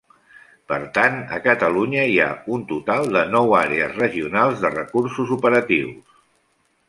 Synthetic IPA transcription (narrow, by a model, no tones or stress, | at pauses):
pəɾt̪anə̰kət̪əluɲəia̰unt̪ut̪alˠd̪ənɔwaɾeəzrəʒiunalˠzðərəkursuzupəɾət̪iws